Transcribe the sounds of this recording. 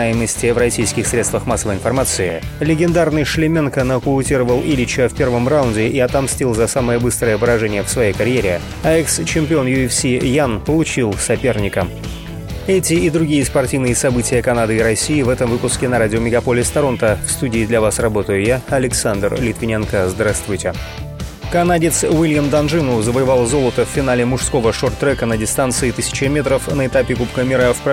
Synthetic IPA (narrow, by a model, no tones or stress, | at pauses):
ajɪməsʲtʲɪvɾrɐsʲijskʲɪxsɾʲe̞t̪st̪vəxmasːəvəjɪnfɐrmat̪sɨɪ | lʲɪɡʲɪnd̪arnɨjʂlʲɪmʲenkənəkʊʊtʲiɾəvəlˠilʲɪt͡ɕəfʲpʲe̞rvəmraʊndʲɪʔiɐt̪ɐmsʲtʲilˠzɐsaməjəbɨst̪ɾəjəvɨɾɐʐɛnʲɪjəfsvɐjejkɐɾʲɪjeɾʲɪ | aɛkst͡ɕɪmʲpʲɪo̞njʊɛfsʲijanpəlˠʊt͡ɕilˠsɐpʲe̞rnʲɪkəm | ɛtʲɪɪd̪ɾʊɡʲijəspɐrtʲivnɨjəsɐbɨtʲɪjəkɐnad̪ɨɪɾɐsʲiːvɛt̪əmvɨpʊskʲɪnɐɾadʲɪomʲɪɡɐpolʲɪst̪ɐɾo̞nt̪əfst̪udʲɪːd̪lʲɐvasrɐbo̞t̪əjʊjaɐlʲɪksand̪rlʲɪt̪vʲɪnʲenkəzd̪ɾast̪vʊjtʲɪ | kɐnadʲɪt̪svilʲjəmd̪ɐnʐɨnʊzəvəjɪvalˠzo̞lˠət̪əfːʲɪnalʲɪmʊʂsko̞vəʂort̪ːɾɛkənədʲɪst̪ant̪sɨɪt̪ɨsʲɪ̥t͡ɕɪmʲe̞t̪ɾəfnəɪt̪apʲɪkupkəmʲɪɾəfp